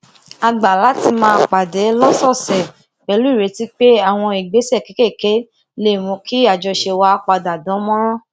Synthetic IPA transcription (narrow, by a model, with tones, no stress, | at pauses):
a˧ɡ͡ba˨la˨˦ti˧mãː˧˦˧k͡pa˨dɛ˨˦lɔ˦sɔ˦˨sɛ˨ | k͡pɛ˧lu˦i˦˨ɾe˨˦ti˦k͡pe˦a˦˨w̃ɔ̃˧i˨ɡ͡be˨˦sɛ˦˨ke˨˦ke˦˨ke˨˦ | le˦˨mɔ̃˨˧˦ki˦a˦˨d͡ʒɔ˧ʃe˧wa˧˦k͡pa˧da˨dɔ̃˨˦mɔ̃˦ɾ̃ɔ̃˦